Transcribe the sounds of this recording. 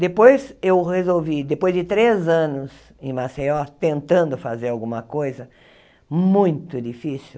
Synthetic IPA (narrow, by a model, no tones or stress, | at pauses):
d̪epojzewhezowvid̪epojzd͡ʒɪt̪ɾezɐ̃nʊs | ɪ̃maseɔt̪ẽnt̪ɐ̃nd̪ʊfazeɾawɡũmɐkojzɐ | mũj̃t̪ʊd͡ʒ̪ifisi